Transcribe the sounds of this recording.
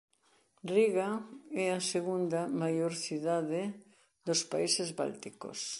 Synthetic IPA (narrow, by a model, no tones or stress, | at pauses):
riɣaɛɐseɣund̪ɐmajoɾθiðaðɪ | ðospaisezβa̰lt̪iko̰s